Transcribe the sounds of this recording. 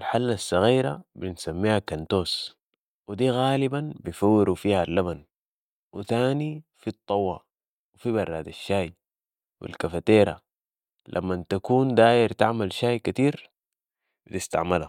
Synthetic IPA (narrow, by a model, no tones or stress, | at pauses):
alħalːasːɑɣiːɾa̰binsamːiːhakant̪oːs | wid̪iːɣaːlibanbijfawːiɾufiːhalːaban | wḭθaːnifit̪ˤːɑwːɑ | wifibɑrˤːaːd̪aʃːaːj | wḭlkafat̪eːɾa̰ | lʔa̰mːant̪akuːnd̪aːjiɾt̪aʕmalʃaːjkat̪iːɾ | bit̪ist̪a̰ʕmala